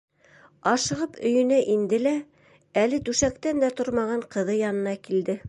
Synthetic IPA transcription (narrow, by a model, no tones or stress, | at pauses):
ɑʃɤ̆ʁɤpɵ̆jɵ̆næʔind̪ɘlæ | ælɘt̪ʉʃækt̪ænd̪æt̪oɾmɑʁɑɴqɤ̆ðɤjɑnɤ̆nɑkild̪ɘ